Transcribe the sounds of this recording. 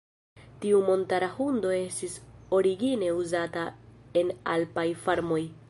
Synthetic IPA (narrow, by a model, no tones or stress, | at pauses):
tiumo̞ntaɾahundo̞e̞stiso̞ɾiɡine̞uzatae̞nalpajfaɾmo̞j